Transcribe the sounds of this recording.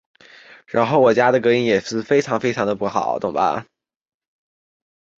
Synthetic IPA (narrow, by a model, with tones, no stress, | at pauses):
ɻa˧˥nxo˥˩ʊwɔ˨˩t͡ɕja˥d̪ə˨kɤ˧˥i˧˥njɛ˨˩ʂɻ̩˥˩fe˥ɪʈ͡ʂʰɑ˧˥ŋfe˥ɪɑ˧˥ŋd̪ə˧pu˥˩xɑ˨˩˦ʊt̪ʊ̰˧˥˩ŋbɐ̰˩